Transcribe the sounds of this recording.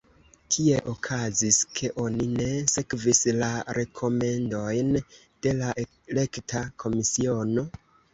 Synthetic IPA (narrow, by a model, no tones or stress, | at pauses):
kʰie̞ʔokʰaziskʰe̞ʔo̞nine̞se̞kvislaɾe̞kʰo̞me̞ndo̞jn | d̥e̞laʔ | le̞ktʰakʰo̞misio̞no̞